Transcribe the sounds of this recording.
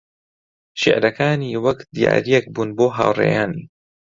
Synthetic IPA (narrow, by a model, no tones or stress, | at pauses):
ʃɪ̰ʕɾɐkaːniwɐkd̪ija̰ːɾijɛk̚buːnboːɦa̰ːwrḛːjaːni